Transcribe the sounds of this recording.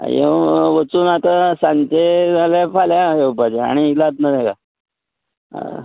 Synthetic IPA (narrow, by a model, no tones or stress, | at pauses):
jḛʋət͡suːnat̪asant̪ealefaljajewpat̪ea̰ɽ̃ilat̪nad̪ẽka̰